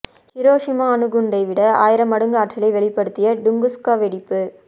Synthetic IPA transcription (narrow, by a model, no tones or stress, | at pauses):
hɪɾoːʂɪmaːɐnɯɣʊɳɖɐɪʋɪɽɐa̰ːjɪɾɐmɐɽɯŋɡɐaːʈt͡ʃɪlɐɪʋɛɭɪpːɐɽɯt̪ːɪjɐɖʊŋɡɯskaːʋɛɽɪpːɯ